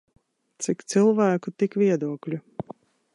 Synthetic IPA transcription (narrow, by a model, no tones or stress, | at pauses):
t̪sikt̪sɨlˠvæːkut̪ikvʲiɛd̪uɔklʲu